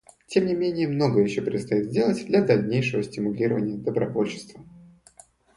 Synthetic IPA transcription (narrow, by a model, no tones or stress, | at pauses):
tʲe̞mnʲɪmʲenʲɪjəmno̞ɡəjɪɕːopʲɾʲɪt̪st̪ɐjit̪zʲdʲe̞lˠətʲd̪lʲɐd̪ɐlʲnʲejʂɨvəsʲtʲɪmʊlʲiɾəvənʲɪjəd̪əbɾɐvo̞lʲɕɪ̥st̪və